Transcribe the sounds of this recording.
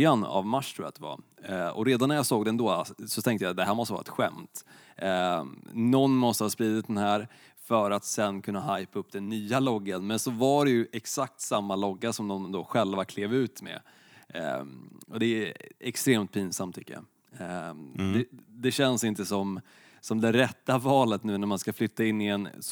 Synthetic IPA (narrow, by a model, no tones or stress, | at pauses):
ana̰vmaʂːt̪ʰɾṵːja̰d̪ɛva̰ɔ̰ɾeːd̪anːæɾjɑːsoːɡd̪ɛnd̪osɔt̪ʰɛŋt̪əjad̪ɛɦæːɾmɔst̪əvɑ̰ːɾ̰ɛ̰t̪ɧɛ̰mt̪ | nɔnːmɔst̪əhɑːspɾiːd̪ɪt̪̚d̪ɛnɦæːɾ | fœɾat̪sɛnkʰɵnːaɦajpaɵpːd̪ɛnːyːalɔɡːənmɛnsɔvaɖɛjɵʔɛksak̚t̪samːalɔɡːaʂɔmd̪ɔmd̪oɧɛlvakʰleːvʉ̟ːt̪mɛ̰ | ɔd̪ɛɛkst̪ɾeːmt̪̚pʰiːnsamt̪ʰːʏkːəja̰ | d̪ɛd̪ɛɕɛnsɪnt̪əsɔm | sɔmd̪ɛɾɛt̪ːavɑːlət̪nʉ̟ːnæɾmanskaflʏt̪ːaɪnːɪɛn